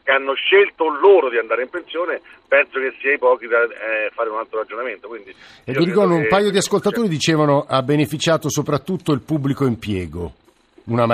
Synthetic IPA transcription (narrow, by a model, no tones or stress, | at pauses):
keanːoʃːelt̪oloːɾod̪iand̪aːɾeimpensjoːne | pɛnsokesːiːaipɔːk̟id̪afːaːɾeunalt̪ɾoɾad͡ʒonament̪okwind̪iviɾikɔrd̪oumpaːjod̪iaskolt̪at̪oːɾid̪it͡ʃeːvanoʔabːenefit͡ʃaːt̪osopɾat̪ːut̪ːoilpubːlikoimpjɛːɡo̰ | unama